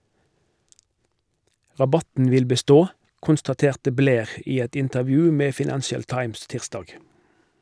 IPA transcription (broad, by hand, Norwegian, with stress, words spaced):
ʁɑˈbɑtn̩ ˈʋɪl bəˈstoː kʊnstɑˈteːʁtə ˈbleːʁ ˈiː ˈɛt ɪntəʁˈʋjʉː ˈmeː fɪˈnænʃəl ˈtɑɪms ˈtɪʁsdɑːɡ